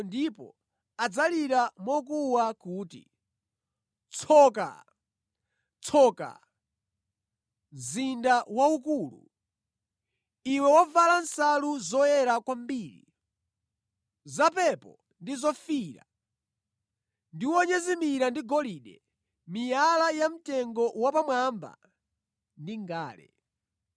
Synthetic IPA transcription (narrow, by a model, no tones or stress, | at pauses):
ndipɔ̰ | ad͡zaliɾamɔk̬uwakuːtḭ | t͡sʰɔːka̰ | t͡sʰɔka̰ | mzindawaukuːlṵ | iwɛwɔvalansaluzɔjɛɾakwambiːɾḭ | zapɛpɔ | ndizɔfiɾa̰ | ndiwɔɲɛzimiɾandiɡɔliːɗɛ̰ | mijalajam̩tɛŋɡɔwapamwamba̰ | ndiŋɡaːlɛ̰